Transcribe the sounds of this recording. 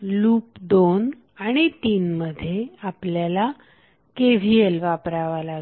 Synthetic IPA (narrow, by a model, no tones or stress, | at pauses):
luːpd̪on | aɽ̃it̪iːnməd̪ʱːjeapljala | keʋ̤ielʋapɾaʋalaɡ